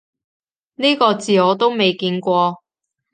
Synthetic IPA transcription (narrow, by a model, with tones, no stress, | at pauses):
niː˥kɔː˧t͡siː˨˧ɔː˨˧t̪o˥wme˨jkiː˧nkʷɔː˧